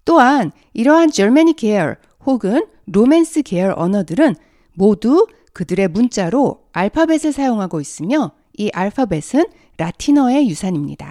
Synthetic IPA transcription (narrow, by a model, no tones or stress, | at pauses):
t͈oɦan | iɾʌɦand͡ʑʌɭmaɲikeʌ̰ɾ | hoɡɯn | ɾomens͈ʰɯke̞ʌɾʌnʌdɯɾɯn | modu | kɯdɯɾe̞munt͡ɕ͈aɾo | aɭpʰabe̞sʰɯɭsʰajoŋɦaɡois͈ɯmjʌ | iʔaɭpʰabe̞sʰɯn | ɾatʰinʌe̞jusʰaɲimɲḭd̥a̰